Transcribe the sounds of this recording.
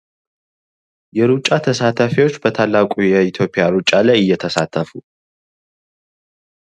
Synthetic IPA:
jɛɾut͡ʃʼːat̪ʰəsat̪ʰəfiwo̞t͡ʃːbət̪ʰalːakʼujɛit̪ʰjo̞pʼːɪjaɾut͡ʃʼːalajɨjːɛt̪ʰəsat̪ʰːəfu

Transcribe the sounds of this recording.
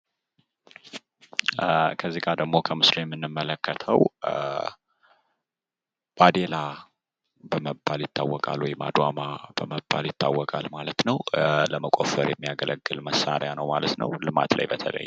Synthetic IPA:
kʰəzːiɡad̪əɡmo̞kʰəmɨsɾijɛmːɨnːɨmːələkːət̪ʰəw | b̥ad̪ela | bəməbːaljɪt̪ʰːawːɔkʼa̰lwɔjma̰d̪wamab̥əməbːaljɪt̪ʰːawːɔkʼalmalət̪nəwləməkʷʼofəɾjɛmːijaɡələɡːɨlməsːaɾjanəwmalət̪nə̰wlɨma̰t̪la̰jbət̪ʰə̰lə̰jː

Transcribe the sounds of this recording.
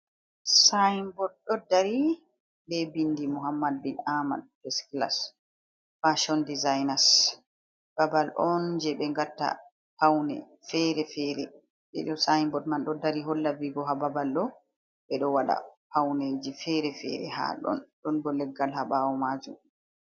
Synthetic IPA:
sajmbɔd̚ɗɔdaɾi | bɛbindimuɦamːad̚binama̰d̚fɛskla̰s | faʃɔndizajnas | b̥abalʔɔnd͡ʒɛɓɛŋɡatːa̰ | hawnɛ̰ | fɛɾɛfɛɾɛ̰ | ɓɛ̰ɗɔsajmbɔdmanɗɔdaɾiɦɔlːaviɡɔɦababalɗɔ | ɓɛɗɔwaɗa̰ | hawned͡ʒifɛɾɛfɛ̰ɾɛ̰ha̰ɗɔ̰nɗɔnbɔlɛɡːalhaɓawɔmaːd͡ʒum

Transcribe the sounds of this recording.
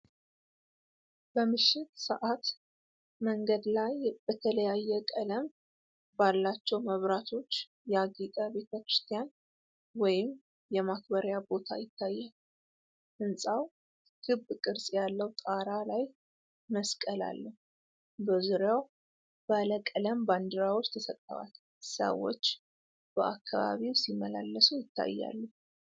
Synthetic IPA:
b̥əmɨʃːɪt̪sə̰ʔat̪ | məŋɡəd̪lajb̥ət̪ʰələjajːɛkʼələm | balːat͡ʃːɛwməβɾat̪ʰo̞t͡ʃː | jɛaɡik̪ʼəbe̞t̪ʰəkɾɨst̪ʰijan | wɔjɪm | jɛmakʰbəɾjabo̞t̪ʰa̰jɪt̪ʰːajːal | ʔɨnsʼaw | kʰɨbkʼɨɾsʼjalːəwt̪ʼaɾalaj | məskʼəla̰lːəh | bəzuɾjaw | baləkʼələmband̪ɨɾawo̞t͡ʃːt̪ʰəsət̪ʼːəa̰l | sə̰wo̞̰t͡ʃː | b̥əʔakʰːa̰βa̰βiwsimːəla̰lːəsujɪt̪ːa̰jːa̰lːəh

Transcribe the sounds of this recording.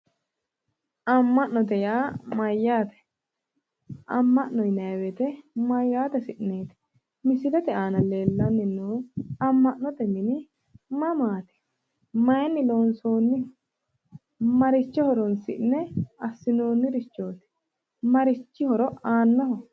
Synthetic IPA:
ʔɐmːɐʔnɔt̪ɛjaːmɐjːaːt̪ɛ̥ | ʔɐmːɐʔnɔjnɐjwɛt̪ɛmɐjːaːt̪ɛsɪʔneːt̪ɛ̥ | mɪsɪlɛt̪ɛʔaːnɐle̞ːlːɐnːɪnːuːɐmːɐʔnɔt̪ɛmɪnɪ | mɐmaːt̪ɛ̥ | mɐjnːɪlo̞ːnso̞ːnːɪ | mɐɾɪt͡ʃːɛhɔɾɔnsɪ̰ʔnɛɐsːɪnoːnːɪɾɪt͡ʃːo̞ːt̪ɛ̥ | mɐɾɪt͡ʃːɪhɔɾɔaːnːɐɦɔ

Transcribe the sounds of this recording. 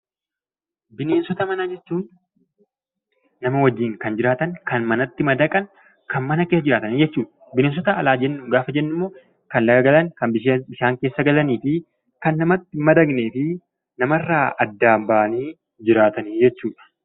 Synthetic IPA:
bɪne̞ːnsɔt̪ɐmɐnaːd͡ʒɛt͡ʃːuːn | nːɐmɐwɐd͡ʒːiːŋkɐnd͡ʒɪɾaːt̪ɐŋkɐnmɐnɐt̪ːɪmɐd̪ɐkʼɐn | kɐnmɐnɐkeːsːɐd͡ʒɪɾaːt̪ɐnid͡ʒɛt͡ʃːuːᶑɐ̥ | bɪneːns̬ɔt̪ɐɐlaːd͡ʒɛnːʊɡaːfɐd͡ʒɛnːɪmːo̞ː | kɐnlɐɡɐɡɐlɐŋkɐmbɪbɪʃaːŋke̞ːsːɐɡɐlɐniːfɪ | kɐnːɐmɐt̪ːɪmɐd̪ɐɡneːfɪ | nɐmɐrːaːɐd̪ːaːmbaːɐniː | d͡ʒɪɾaːt̪ɐniːd͡ʒɛt͡ʃːuːᶑɐ̥

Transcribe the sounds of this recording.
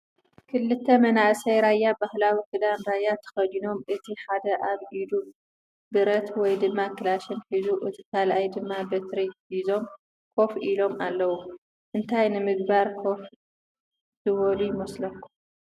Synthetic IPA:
kʰɨlːɨt̪ʰːɐmɐnaʕsɐjɾajːabahlawikɨd̪anɾajːat̪ʰɐ̥xɐd̪ino̞mʔɨt̪ʰiħad̪ɐʔaβʔid̪u | bɨɾɐt̪wɔjd̪ɨmːakʰɨlaʃɐnħizuʔɨt̪ʰi̥kʰalʔajd̪ɨmːabɐt̪ɾiħizo̞m | kʰo̞filo̞malːɐwu | ʔɨnt̪ʰajnɨmɨɡbaɾkʰo̞f | zɨwɔlujɪmɐslɐkːu

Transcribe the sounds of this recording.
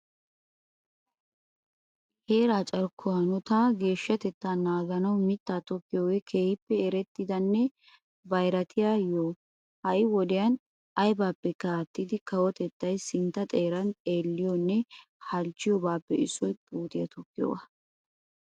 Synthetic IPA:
heːɾaːt͡ʃʼɐɾkʰːɔɐnɔt̪aːɡe̞ːʃːɐt̪ɛt̪ːaːnaːɡɐnɐwmɪt̪ːaːt̪ɔkːɪjoːwɛkʰeːhɪpːɛːɾɛt̪ːɪd̪ɐnːɛ | bɐjɾɐt̪ʰɪjaːjo | hɐʔɪwɔd̪ɪjɐn | ɐjbaːpːɛkaːt̪ːid̪ɪkɐwɔt̪ɛt̪ːɐjsɪnt̪ːɐt̪ʼe̞ːɾɐnt̪ʼe̞ːlːɪjɔnːɛhɐlt͡ʃːɪjɔbaːpːɛɪsɔjpʼuːt̪ʼɪjɐt̪ɔkːɪjo̰wɐ

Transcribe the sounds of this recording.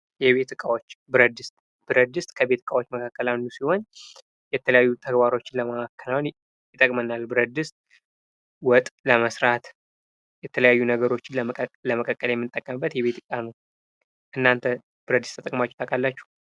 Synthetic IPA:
jɛβe̞t̪ɨkʼawot͡ʃːbɨɾəd̪ɨst̪ʼ | b̥ɨɾəd̪ɨst̪ʼkʰəbe̞t̪ɨ̥kʼawo̞t͡ʃːməkʰakːəlanːusiho̞n | jɛt̪ʰələjajːut̪ʰəɡbaɾo̞t͡ʃːɪnləməakːəlawn | jɪt̪ʼəkʼmənːalbɨɾəd̪ɨst̪̚ʼ | wɔt̪ʼləməsɾat̪ | jɛt̪ʰələjajːunəɡəɾot͡ʃːɪnləməkʼəkʼːəljɛmːɨnt̪ʼːəkʼːəmɨbːət̪jɛβe̞t̪ʰɨkʼanəw | ʔɨnːant̪ʰə | b̥ɨɾəd̪ːɨst̪ʰət̪əkʼmat͡ʃːɛ̥t̪ʰakʼalːat͡ʃːu̥h

